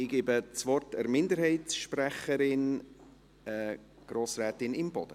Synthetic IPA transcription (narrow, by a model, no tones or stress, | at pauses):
ɪɡ̥eːbət͡sʋɔrtɛɾmɪnd̪əɾhɛɪtsʃprɛχəɾɪn | ɛ | ɡ̥ɾoːsɾɛːtɪnɪmbɔ̰d̥ə